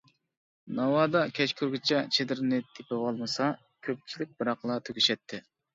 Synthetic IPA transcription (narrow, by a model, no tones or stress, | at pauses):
nɑwɑːd̪ɑkʲʰɛt͡ʃkʲʰyɾɡʲit͡ʃʰɛt͡ʃʰed̪ɪɾnɪt̪ʰepɪwɑlˠmɨsɑ | kʲʰøp̚t͡ʃʰilɪk̚ʲbɨɾɑqlˠɑt̪ʰøɡʲiʃɛt̪ʰːɪ